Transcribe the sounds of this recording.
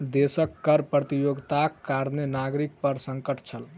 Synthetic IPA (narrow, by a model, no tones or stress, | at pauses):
d̪esəkːəɾpɾət̪ijoɡt̪akkːaɾnenaɡɾik̚pəɾsəŋkəʈt͡ʃʰəl